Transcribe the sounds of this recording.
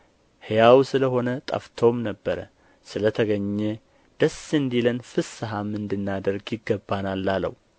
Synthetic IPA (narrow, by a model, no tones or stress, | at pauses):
hjawsɨləɦo̞nət̪ʼə̰ft̪ʰo̞mnəbːəɾə̰ | sɨlət̪ʰəɡəɲːɛ | d̪̥əsɨnd̪ilənfɨsːɨɦamɨnd̪ɨnːad̪əɾɡjɪɡːəbːanalːalə̰w